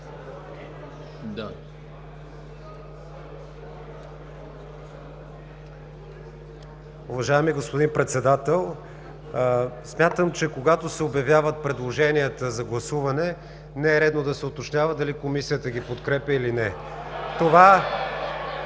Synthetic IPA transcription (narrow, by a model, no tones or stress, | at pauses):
d̪ | ʊvɐʒaɛmiɡospod̪inpɾɛt̪sɛd̪at̪ɛlˠ | smʲjat̪əmt͡ʃɛkoɡat̪osɛobjɐvjavət̪̚pɾɛd̪lˠoʒɛnijət̪əzɐɡlˠɐsuvɐnɛ | nɛɛɾɛd̪nod̪ɐsɛʊt̪ot͡ʃnʲavəd̪ɐlikomisijət̪əɡ̟ʲipot̪kɾɛpʲəilinɛ | t̪ova